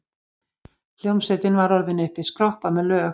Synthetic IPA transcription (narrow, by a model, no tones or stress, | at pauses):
l̥jowmsɛt̪ɪnvaɾɔɾðɪnʏhpɪskɾɔhpamɛðlœː